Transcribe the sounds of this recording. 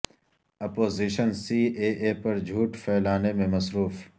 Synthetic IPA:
ɐpoːziːʃənsiːeːʔeːpɐɾd͡ʒʱuːʈfʰɛːlaːnemẽmɐsɾuːf

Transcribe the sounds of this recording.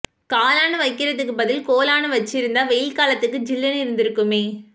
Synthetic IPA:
kaːlaːnɯʋɐɪkːɪrɐðɯkːɯbɐðɪlkoːlaːɳɯʋɐt͡ʃːɪɾɯnd̪aːʋɛjɪlkaːlɐt̪ːɯkːɯd͡ʒɪlːɐnɪɾɯnd̪ɪɾɯkːɯmeː

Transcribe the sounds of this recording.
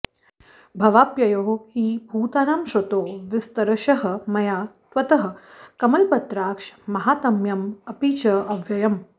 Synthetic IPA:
bʱɐʋaːpjɐjoːɦhiːbʱuːt̪aːnaːmʃɐt̪oːʋɪst̪ɐɾɐʃɐɦɐ̆mɐjaːt̪ʋɐt̪ɐɦɐ̆kɐmɐlpɐt̪ɾaːkʂmɐɦaːt̪ɐmjɐmɐpiːt͡ʃɐɐʋjɐjɐm

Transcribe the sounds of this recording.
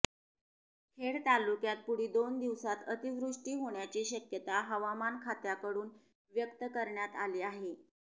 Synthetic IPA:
kʰeɽt̪alukjat̪̚puɽ̤iːd̪ond̪iʋsat̪ət̪iʋɾuʂʈiːɦoɳjat͡ɕiːɕəkjət̪aɦəʋamankʰat̪jakəɽuːn | ʋjəkt̪əkəɾɳjat̪aliːaɦe

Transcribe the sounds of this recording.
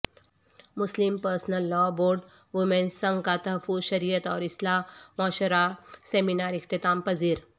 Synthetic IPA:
muslimpəɾsnəlːɔboɾɖ | ʋumẽnssəŋkat̪ɐɦfuzɕɐɾijət̪ɔːɾislamɔɕəɾaseminaɾikt̪it̪aːmpəd͡ziːɾ

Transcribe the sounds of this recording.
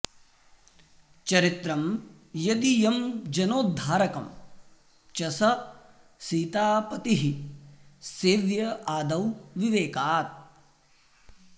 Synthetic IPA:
t͡ʃɐɾit̪ɾɐm | jɐd̪ijɐmd͡ʒɐnoːd̪ʱːaːɾɐkɐ̰m | t͡ʃɐsɐ | siːt̪aːpɐt̪iɦi | seːʋjɐʔaːd̪ɐwʋiʋeːkaːt̪̚

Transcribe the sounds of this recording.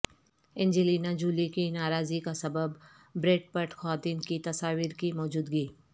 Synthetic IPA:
ɪ̃nd͡ʒiliːnad͡ʒuːlikinaːɾaːzikasɐbəbː | ɾeːʈ̚pɐʈxaːd̪iːnkit̪ɐsaːʋiɾkimɔːd͡ʒuːd̪ɡiː

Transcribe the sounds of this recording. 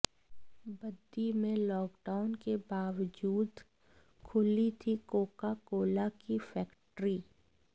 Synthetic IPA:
bəd̪ːimẽlɔːkɖaʊnkebaːʋd͡ʒuːd̪ | kʰʊlit̪ʰikoːkakoːlakifʰɛːkʈɾiː

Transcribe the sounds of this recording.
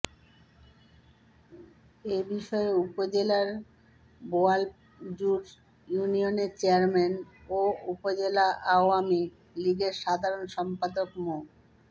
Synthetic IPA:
ebiʃɔeupod͡ʑelaɾ | boal | d͡ʑuɾ | junionet͡ɕeaɾmɛnoupod͡ʑelaʔaoami | liɡeɾʃad̪ʱaɾonʃɔmpad̪okmo

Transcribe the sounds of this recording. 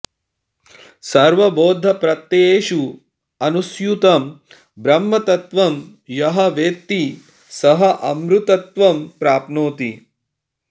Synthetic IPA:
sɐɾʋɐboːd̪ʱːɐpɾɐt̪ːeeːʃu | ɐnusjut̪ɐm | bɾɐmːɐt̪ɐt̪ʋɐm | jɐɦɐʋeːt̪ːi | sɐɦɐʔɐmɾut̪ɐt̪ʋɐmpɾaːpnoːt̪i

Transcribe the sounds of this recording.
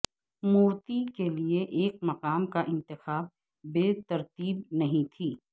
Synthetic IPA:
muːɾt̪ikelieʔeːk̚mɐqaːmkaʔɪ̃nt̪ɪxaːb̚ː | eːt̪ɐɾt̪iːbnɐɦĩt̪ʰiː

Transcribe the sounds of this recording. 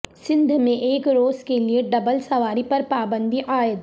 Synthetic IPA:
sɪ̃nd̪ʱmẽʔeːkɾoːzkelieɖɐbəlsɐʋaːɾipɐɾpaːbə̃nd̪ʱiʔaːjəd̪

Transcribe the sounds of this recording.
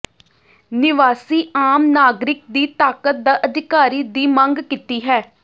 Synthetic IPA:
nɪʋaːsiːaːmnaːɡɾɪk̚d̪iːt̪aːkət̪̚d̪aːʔəd̪ɪkaːɾiːd̪iːmə̃ŋɡkit̪iːɦɛː

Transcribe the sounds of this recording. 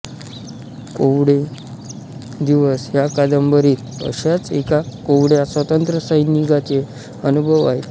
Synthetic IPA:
koʋɽe | d̪iʋəsɦjakad̪əmbəɾiːt̪ | ə̰ɕat͡sekakoʋɽjasʋət̪ənt̪ɾəsajiniɡʱat̪e | ənubʱəʋaɦet̪

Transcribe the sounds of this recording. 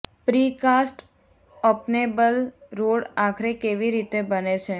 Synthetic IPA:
pɾikasʈ | ɔpnebəlɾoɽakʰɾekeʋiɾit̪ebənet͡ʃʰe

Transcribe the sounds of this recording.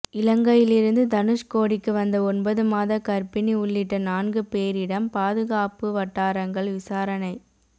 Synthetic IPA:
ɪlɐŋɡɐjɪlɪɾɯnd̪ɯd̪ɐnɯʂkoːɽɪkːɯʋɐnd̪ɐɔnbɐðɯmaːðɐkɐɾpɪniʊɭːɪʈːɐnaːnɡɯpeːɾɪɽɐmpaːðɯɣaːpɯʋɐʈːaːɾɐŋɡɐɭʋɪsaːɾɐnɐɪ

